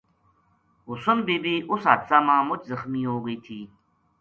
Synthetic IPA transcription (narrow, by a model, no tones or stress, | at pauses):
ɦʊsunbeːbiːʔʊsɦaːt̪saːmãːmʊt͡ɕzəxmiːɦoːɡəit̪ʰiː